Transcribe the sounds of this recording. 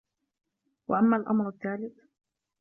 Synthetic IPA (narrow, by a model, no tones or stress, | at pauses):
waʔamːaːlʔa̰mɾˤaθːaːlɪt̪